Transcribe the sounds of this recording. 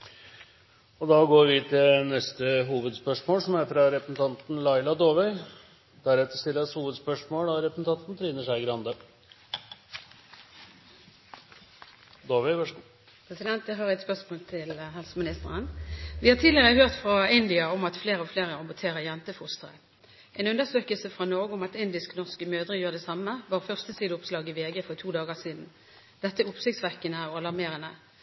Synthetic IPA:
ɔd̪ɑɡoːɾʋɪt̪ʰɪlnɛst̪əɦuːʋəd̪spœʂmoːlsɔmɛt̪əɾɑɾɛpɾəsnt̪ʰɑnt̪n̩lɑɪlɑd̪oːʋœʏ | d̪̥æɾɛt̪ːəst̪ɪlːəshuːʋəd̪spœʂmoːlɑɾɛpɾəsn̩t̪ʰɑnt̪n̩t̪ʰɾiːnəʂæɪɡɾɑnd̪ə | d̪oːʋɛ | pʰʁɛsɪd̪ɛnt̪̚əɦɑʁɛt̪spœʁsmoːlt̪ʰɪlhɛlsəmɪnɪst̪əʁənʋɪhɑt̪ʰiːd̪lɪʁəəhøːʁt̪fʁɑɪnd̪ɪɑɔmɑt̪fleːʁəɔfleːʁəɑmbʊt̪ʰeːʁəjɛnt̪əfʊst̪əʁə̰ | ʔɛːnʉnːəsøːkəlsəfʁɑnɔɡəʊmɑt̪ɪnd̪ɪsknɔʁskəmøːd̪ʁəjuːʁəd̪ɛsɑməʋɑːʁfœʁst̪əsiːd̪əʊpslɑːɡɪʋeːɡəːfɔʁt̪ʰuːd̪ɑːɡəsiːd̪n̩ | d̪̥ɛt̪ːəʊpsɪkt̪sʋæʁkənəɔɑlɑʁmeːʁənə

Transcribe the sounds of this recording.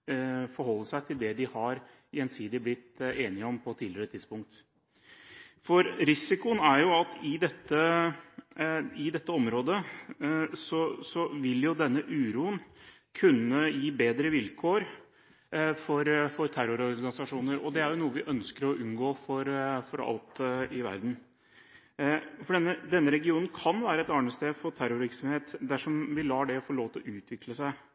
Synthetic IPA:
fɔɾhɔlːəsæɪt̪ʰɪld̪ɛd̪ɪhɑɾ | jɛnsiːd̪ɪblɪt̪ːeːnɪəɔmpʰɔt̪ʰiːlɪəɾət̪ʰɪd̪spʊŋk̚t̪ | fɔɾɾɪsɪkʊənæɾjʊɑt̪ɪd̪ɛt̪ːə | ɪd̪ɛt̪ːəɔmɾoːd̪ə | sɔsɔʋɪljʊd̪ɛnːəʔʉːɾuːən | kʰʉnːəjiːbeːd̪ɾəʋɪlkʰoːɾ | fɔɾfɔɾt̪ʰæɾʊɾɔɾɡɑnɪsɑʂuːnəɾɔd̪ɛæɾjʊnuːəʋɪʔœnskəɾɔʔʉnɡoːfɔɾfɔɾɑ̰lt̪ɪʋæ̰ɾd̪n̩ | fɔɖɛnːəd̪ɛnːəɾɛɡɪuːnn̩kʰɑnʋæːɾəɛt̪ɑɳəst̪eːd̪fɔt̪ʰæɾʊɾʋɪɾksɔmheːt̪d̪æʂɔmʋɪlɑːɖɛfɔɭoːʋt̪ʰɔʔʉːt̪ʰʋɪkləsæɪ

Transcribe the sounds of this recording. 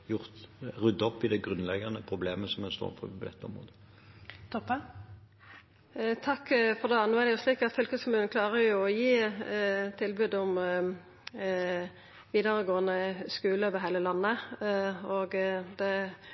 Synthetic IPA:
jʊʁt̪ʁʉd̪ːɔpːɪd̪ɛɡʁʉnlɛɡɑnəpʰɾʊbleːməsɔmɛnst̪o̰ːnfɔ̰pʰɔd̪ɛt̪ːəɔ̰mʁo̰ːd̪ə | t̪ʰɔpːə | t̪ʰɑkːfɔd̪eːnʉːæʁd̪ɛjʊsliːkɑt̪fʏlkəskʰɔmʉːnklɑːɾəjʊɔjiː | t̪ʰːɪlbʉd̪ɔm | ʋiːd̪əʁəɡoːənəskʉːləʋɪɦæɪləlɑnːə | oːɡd̪ɛ

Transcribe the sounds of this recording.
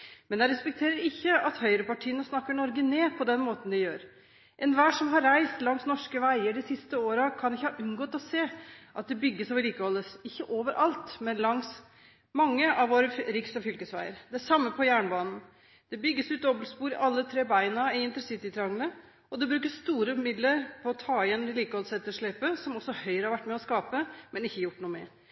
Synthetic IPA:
mɛnd̪ɛɾɛspɛk̚t̪ʰeːɾəɾɪçːəɑt̪hœʏɾəpɑʈʰiːənəsnɑkːəɳɔɾɡəneːpʰɔd̪ɛnmoːt̪n̩d̪ɪjøːɾ | ʔɛnʋæːʂɔmɦɑɾːæɪst̪lɑŋsnɔʂkəʋæɪəɖɪsɪst̪əoːɾɑkʰɑnɪçːəhɑʔʉnɡɔːt̪ɔseːʔɑt̪̚d̪ɛbʏɡːəsoːʋəliːkəhɔlːəsɪçːəʔoːʋəɾʔɑlt̪mɛlɑŋs | mɑŋːəʔɑʋʋoːɾəɾɪksɔfʏlkəsʋæɪəɾd̪ɛæʂɑmːəpʰɔjæːɳbɑːnn̩ | d̪̥ɛbʏɡːəsʉːt̪̚d̪ɔbəlspuːɾɪʔɑlːət̪ʰɾeːbæɪnɑɪɪnt̪əɾəsɪt̪ɪt̪ʰɾɑŋlə | ɔd̪ɛbɾʉːkəsst̪uːɾəʉmɪd̪ləɾpʰɔːt̪ʰɑːɪɛnɪliːkəhɔlsɛt̪ːəʂɭeːpəsɔmɔsːɔhœʏɾəhɑɾʋæʈːmɛɔskɑːpəmɛnɪçːəjʊʈːnuːmɛ̰ɾ

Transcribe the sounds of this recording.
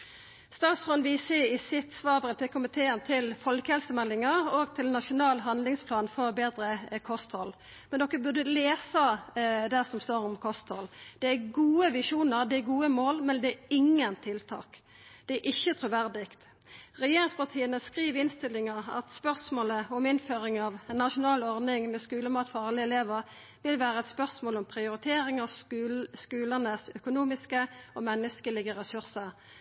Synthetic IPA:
st̪ɑːsʁɔnʋɪseːɪsɪt̪sʋɑːbəʁət̪ʰɛkʰʊmɪt̪ʰeːənt̪ʰɪlfɔlkəhɛlsəmɛlːɪŋɑɾoːɡt̪ʰɪlnɑʂʊnɑːlɦɑnlɪŋspʰlɑːnfɔʁbeːd̪ɾəkʰɔst̪hɔl | mɛnd̪ɔkːəbʉd̪əleːsɑd̪æʁsɔmst̪oːɾɔmkʰɔst̪hɔld̪̥ɛæɡuːəʋɪʂuːnəʁd̪ɛæɡuːəmoːlmɛnd̪ɛæɪŋːənt̪ʰɪlt̪ʰɑ̰ːk | d̪̥ɛæʔɪçːət̪ʰɾʊʋæʁd̪ɪkt̪ | ʁɛjeːɾɪŋspɑʁt̪ʰiːənəskʁiːʋɪnst̪ɪlːɪŋəɑ̰t̪spœʁsmoːləɔmɪnføːɾɪŋɑʋɛnːɑʂʊnɑːlɔʁnɪŋmɛskʉːləmɑːt̪fɑʁlɪɛleːʋəʁ | ʋɪlʋæːʁəɛt̪spœʁsmoːlɔmpʰʁɪʊɾɪt̪ʰeːɾɪŋɑʋ | kʉːlənəsœkʊnuːmɪskəɔmɛnːəskəlɪɡəɾɛsʉʁsəʁ

